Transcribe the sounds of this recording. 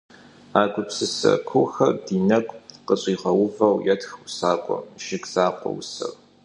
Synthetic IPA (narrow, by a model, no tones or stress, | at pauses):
aːɡʷʊpsɨsɐ̰kʷʰʊxɐrdiːnɐkʷʼqəɕʼiːʁɐwʊvɐwjɛtxusaːqʷʼɔ̰mʒ̥ɪɡz̥aːqʷʼɔ̰wsɐ̰r